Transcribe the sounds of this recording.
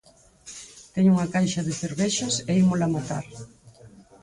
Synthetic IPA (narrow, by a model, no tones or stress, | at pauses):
t̪ɛɲuŋakajʃɐðeθeɾβeʃɐseimolamat̪a̰ɾ